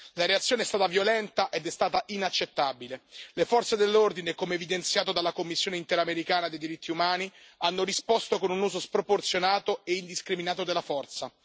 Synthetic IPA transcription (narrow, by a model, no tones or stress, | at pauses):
laɾeat̪sːjoːneɛst̪aːt̪avjolɛnt̪aʔed̪ɛst̪aːt̪aʔinat͡ʃːet̪ːabilelefɔrt̪sed̪elːord̪inekomeːvid̪ent̪sjaːt̪od̪alːakomːisːjoːneint̪eɾameɾikaːnad̪ejd̪iɾit̪ʰːiumaːnianːoɾispost̪okonunuːzospɾoport̪sjonaːt̪oeind̪iskɾiminaːt̪̬od̪elːafɔrt̪sa